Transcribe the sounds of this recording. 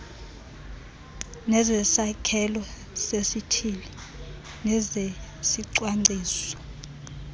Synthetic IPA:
nɛzɛsakʰɛlɔ | sesitʰili | nɛzesiǀwaŋ͡ǀʱiːsɔ̥

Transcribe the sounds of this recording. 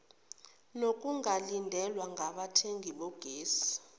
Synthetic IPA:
nokʼuŋalindʱɛlwaŋɡʱaɓatʰeŋɡʱiɓɔɡ̥ʱeːsi̥

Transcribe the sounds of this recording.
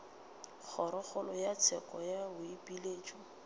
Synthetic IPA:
k͡xʰɔɾɔk͡xɔlɔjat͡sʰɛkɔjabʊipʼileːt͡ʃʼɔ

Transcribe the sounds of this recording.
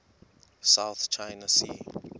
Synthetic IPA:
saʊθt͡ʃʰaɪnasḭː

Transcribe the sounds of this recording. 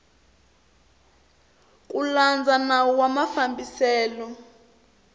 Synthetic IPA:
kʼuland͡zʱanawɔwamafambisɛːlɔ

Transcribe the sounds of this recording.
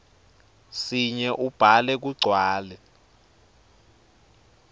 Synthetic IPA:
siɲɛʔub̥ʱalɛk̬uɡ͡ǀʱwaːlɛ

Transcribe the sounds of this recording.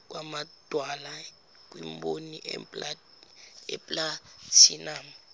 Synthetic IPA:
k̬ʼwʔamad̥ʱwala | k̬wimboniʔʼla | ɛ̰pʼlatʰinaːm

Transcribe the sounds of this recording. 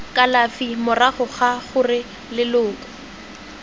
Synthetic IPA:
kʼalafimʊraχʊχaχʊrɪ | lɪlʊːkɔ̥

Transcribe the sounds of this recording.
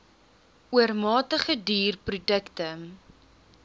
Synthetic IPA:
uərmɑːtəχədiːrprudəktə

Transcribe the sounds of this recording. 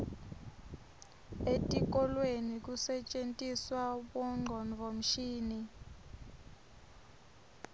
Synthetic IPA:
etʼik̬ʼɔlwenik̬usɛt͡ʃʼentʼiswaɓɔŋ͡ǃʱɔnvʱɔm̩ʃiːni

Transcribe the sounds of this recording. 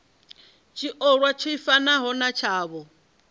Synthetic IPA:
t͡ʃʰiʔɔɺwat͡ʃʰɔifanaɦɔnat͡ʃʰaːβɔ

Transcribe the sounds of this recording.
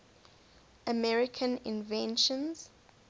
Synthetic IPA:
ʔəmɛɹikʰə̃nḭ̃nvɛ̃nʃɔ̃nz̥

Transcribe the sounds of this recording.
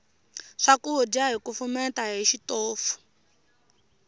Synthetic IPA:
ʂakuɦudiaɦikufumɛtaɦiʃitɔːfu̥

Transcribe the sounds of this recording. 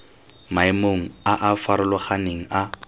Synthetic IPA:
maɪmoŋ̩aʔafaɾʊlɔχaneŋ̩a

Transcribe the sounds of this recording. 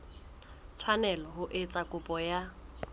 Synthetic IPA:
t͡sʰwanɛlɔɦʊʔɪt͡sʼakʼʊpʼɔja

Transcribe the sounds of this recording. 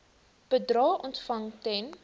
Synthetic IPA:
pədrɑːʔɔntfɐŋtɛn

